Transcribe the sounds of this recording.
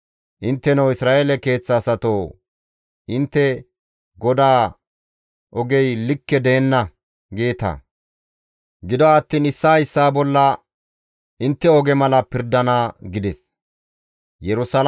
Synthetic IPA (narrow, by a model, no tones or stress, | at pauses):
ʔɪnt̪ːɛnɐwɪsɾaːʔeːlɛke̞ːt͡sːɐːsɐt̪oː | ʔɪnt̪ːɛ | ɡɔd̪aː | ʔɔɡɛjlɪkːɛd̪ɛːnːɐ | ɡeːt̪ɐ̰ | ɡɪd̪ɔɐt̪ːiːnɪsːaːɪsːaːbɔlːɐ | ʔɪnt̪ːɛɔɡɛmɐlɐpɪɾd̪ɐnaɡɪd̪ɛs | jɛɾʊsɐl